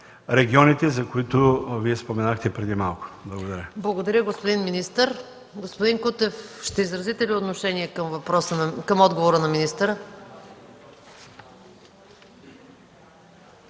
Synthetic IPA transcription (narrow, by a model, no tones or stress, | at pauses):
ɾɛɡʲiɔnit̪ɛzɐkoit̪ʊviɛspomɛnaxt̪ɛpɾɛd̪imalˠkʊ̥blˠɐɡod̪ɐɾʲjəblˠɐɡod̪ɐɾʲəɡospod̪inminist̪əɾ | ɡospod̪iŋkut̪ɛfʃt̪ɛizɾɐzit̪ɛliot̪noʃɛniɛkəmvɐpɾɔsənkəmɔd̪ɡovoɾənɐminist̪əɾə